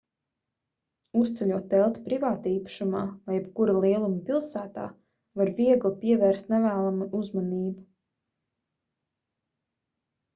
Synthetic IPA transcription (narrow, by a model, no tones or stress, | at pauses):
ust̪sɛlʲuɔt̪ːɛlˠt̪pɾivaːt̪aiːpḁʃumaːvajɛbkuɾalˠiɛlˠumpʲilˠsæːt̪a̰ː | vaɾviɛɡlˠipiɛvɛːɾst̪nɛvæːlˠamuʔuzmaniːbu